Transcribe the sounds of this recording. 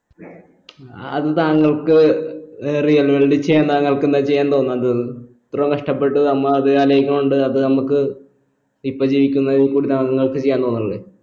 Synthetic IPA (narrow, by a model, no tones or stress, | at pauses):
ɐ̰ðɨt̪aːŋːɐɭkɨ | rijɐlʋeɭɖit͡ɕejːaːnt̪aːŋːɐɭkɨenːɐt͡ɕe̞jːaːnt̪o̞ːnːɐð | t̪rɐmkɐʂʈɐpːe̞ʈːɨnɐmːɐɐðɨaːlɐjikʲːɐmuɳɖɨɐðɨnɐmukːɨ | ipːod͡ʑiːʋikʲːunːɐikːuːɽit̪aːŋɐŋːɐɭkɨt͡ɕe̞jaːnt̪o̞ːnːɐɐɭːe